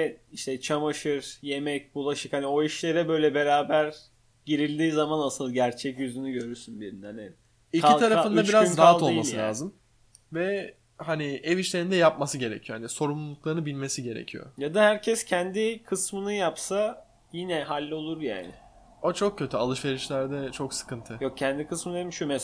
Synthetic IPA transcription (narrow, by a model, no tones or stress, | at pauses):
ɛiʃt̪ʰɛt͡ʃʰamaʃɯɾje̞mɛc̚bulˠaʃɯkhanio̞iʃlʲe̞ɾɛbø̞jlʲɛbe̞ɾaːbæɾ | ɟ̥iɾilʲd̪iːzamanasɯlˠɟæɾt͡ʃʰɛcjyzynyɟø̞ɾyɾsynbiɾinhani | iailˠt̪ʰaɾaɯnd̪abiɾazzɾaɦao̞lˠmasɯlʲaːzɯm | vɛ | hanieviʃlʲeɾind̪ɛjap̚masɯɟe̞ɾecʰijohaniso̞ɾumllˠuklˠaɾɯnbilʲme̞siɟe̞ɾḛcʰijo̰jad̪ahæɾcʰɛscʰɛnd̪ikʰɯsmɯnɯjapsa | jinɛɦalʲːo̞lˠuɾja̰ːnɪ̰ | ot͡ʃʰo̞kcːø̞t̪ʰyalˠɯʃve̞ɾiʃlʲæɾd̪ɛt͡ʃʰo̞ksɯ̥kɯnt̪ʰɯjok̚cʰɛnd̪ikɯsmɯnemiʃumɛs